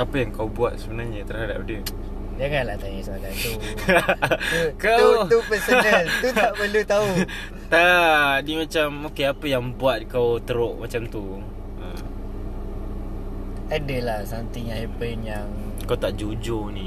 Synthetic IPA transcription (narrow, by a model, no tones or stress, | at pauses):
apəjaŋkawbuat̪̚səbənarɲət̪ərhada̰p̚də | d͡ʒaŋanlaht̪ajasəbat̪ant̪u | kawt̪upɛsonalt̪ut̪aʔpəlut̪au | t̪animat͡ʃamokeapəjaŋbuat̪̚kawt̪əɾoʔmat͡ʃamt̪u | əm | adəlahsant̪iɲaipənjaŋ | kawt̪aʔd͡ʒod͡ʒoni